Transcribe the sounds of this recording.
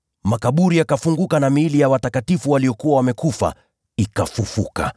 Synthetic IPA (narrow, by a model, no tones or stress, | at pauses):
makaɓuɾijakafuŋɡukanamiːlijawatakatifuwaliɔkuwawamɛkufa̰ | ikafufuka̰